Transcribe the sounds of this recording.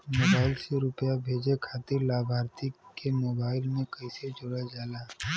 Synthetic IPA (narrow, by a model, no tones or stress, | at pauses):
moːbaːɪlseɾʊpjabʱeːd͡ʒekʰaːt̪ɪɾlaːbʱaːɾt̪ikemoːbaːɪlmẽkɐised͡ʒʊɽad͡ʒaːlaː